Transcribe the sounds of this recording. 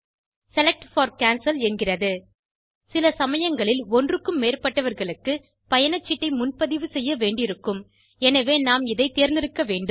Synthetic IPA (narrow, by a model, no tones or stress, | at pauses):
sɛlɛk̚ʈfɐːɾkaːnsɐlɛnɡɪrɐðɯ | sɪlɐsɐmɐjɐŋɡɐɭɪlɔndrɯkːɯmːeːrpɐʈːɐʋɐɾɣɐɭɯkːɯ | pɐjɐnɐt͡ʃːɪʈːɐɪmʊnpɐðɪʋɯsɛjːɐʋeːɳɖɪɾɯkːɯm | ɛnɐʋeːnaːmɪðɐɪt̪ːeːɾnd̪ɪɾɯkːɐʋeːɳɖɯm